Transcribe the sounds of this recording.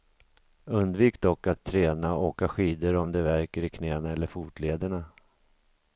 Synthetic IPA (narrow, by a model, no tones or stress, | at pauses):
ɵnd̪viːkd̪ɔkːat̪ʰːɾɛːnaoːkaɧiːd̪əɾɔmd̪ɛvæɾkəɾɪkʰnɛːnaɛlːəɾfuːt̪leːd̪əɳa